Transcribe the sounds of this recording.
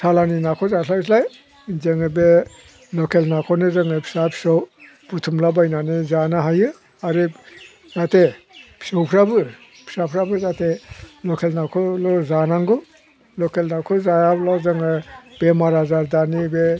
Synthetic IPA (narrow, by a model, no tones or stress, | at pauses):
salaninakʰɔzalawsʰlaj | zɯŋɯbe | lɔkelnakʰɔnɯzɯŋɯpʰi̥sapʰi̥sɔw | b̥utʰumlabajnanizanaɦajɯ | aɾɯ | zate | pʰi̥sɔwpʰɾabɯ | pʰi̥sapʰɾabɯzatʰelɔkʰelnakʰɔlɔzanaŋɡɯ | lɔkelnakʰɔzajablawzɯŋɯb̥emaɾazaɾdanibe